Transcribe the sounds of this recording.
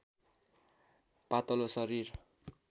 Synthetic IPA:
pat̪ʌlosʌɾir

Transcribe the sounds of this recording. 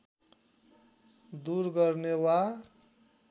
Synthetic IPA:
d̪uɾɡʌrnewa

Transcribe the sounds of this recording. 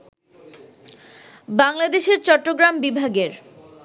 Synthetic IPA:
baŋlad̪eʃeɾt͡ɕɔʈːoɡɾambibʱaɡeɾ

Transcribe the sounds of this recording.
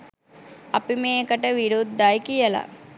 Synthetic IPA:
ɐpimeːkəʈəʋiɾud̪ːajkijəla̰

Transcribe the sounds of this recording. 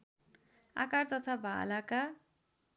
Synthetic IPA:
a̰kart̪ʌt̪ʰabʱa̰laka

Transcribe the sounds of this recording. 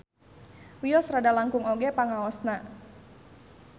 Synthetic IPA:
wiɔsradalaŋkʊŋoɡɛpaŋaɔsna

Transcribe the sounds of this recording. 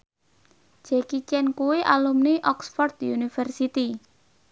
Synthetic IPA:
d͡ʒ̥ɛkit͡ʃɛnkuweʔalumniʔɔksfɔrd̪unifərsit̪i

